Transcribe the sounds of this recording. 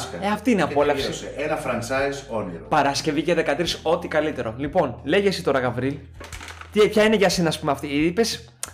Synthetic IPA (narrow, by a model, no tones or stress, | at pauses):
sɐeɐft̪iineɐpolɐfsisenɐfɾɐnt͡sɐjzoniɾopɐɾɐsce̞viʝeðe̞kɐt̪ɾiso̞t̪ikɐlit̪e̞ɾo̞lipo̞nleʝe̞sit̪o̞ɾɐɣɐvɾil | t̪ipçɐineʝɐsenɐːspumeɐft̪iipe̞s